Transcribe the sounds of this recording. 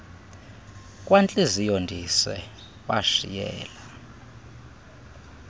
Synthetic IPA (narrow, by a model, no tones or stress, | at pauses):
k̬ʼwant͡ɬʼezijondʱisɛ̰ | wa̰ʃḭjɛ̰ːla